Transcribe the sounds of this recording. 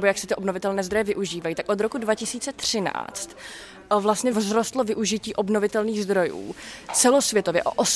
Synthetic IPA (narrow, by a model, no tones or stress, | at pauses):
bojaksɛt̪ɪʔo̞bnovɪt̪ɛlnɛːzd̪ɾo̞jɛvɪʔuʒiːvajit̪akʔo̞d̪ɾo̞kudvacɪsiːt͡sɛt̪r̝̥ɪna̰ːt͡st̪ | vlast̪ɲɛvzɾost̪lovɪʔuʒɪciːʔo̞bno̞vɪt̪ɛlniːɣzd̪ɾo̞jṵːt͡sɛlosvjɛt̪ovjɛ̰ʔo̰ʔos